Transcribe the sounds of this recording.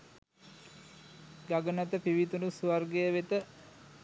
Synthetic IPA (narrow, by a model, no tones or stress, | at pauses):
ɡaɡənət̪əpiʋit̪unusuʋarɡejəʋet̪ə